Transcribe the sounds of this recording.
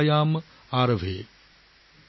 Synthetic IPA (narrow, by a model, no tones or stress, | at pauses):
jaːm | aːɾɐʋʱeː